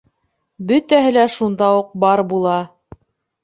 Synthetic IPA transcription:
bɵt̪æɦɘlæʃund̪ɑuq̚bɑɾbulˠɑ

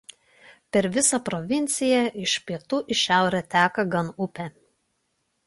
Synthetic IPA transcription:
pʲɛɾʋʲɪsɐpɾɔʋʲɪnʲt̪sʲɪjɛɪʃpʲiɛt̪uːʔɪʃʲæˑʊɾʲɛt̪ʲæːkɐɡɐnʊpʲɛ

